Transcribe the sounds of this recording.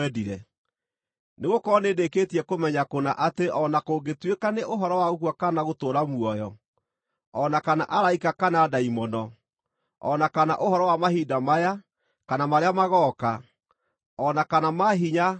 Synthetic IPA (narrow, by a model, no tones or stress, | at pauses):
ɛdiɾɛ | neɣokɔɔneːdeketiɛkomɛɲakonaʔateʔɔnakoːɡetwekaneʔoɦɔɾɔwaɣoɣwakanaɣotoːɾamwɔjɔ | ɔnakana̰ʔaɾaikakanaːdaimɔnɔ | ɔ̰nakana̰ʔoɦɔɾɔwamaɦiːdamaja | kanamaɾeamaɣɔka | ɔnakanamaɦiɲa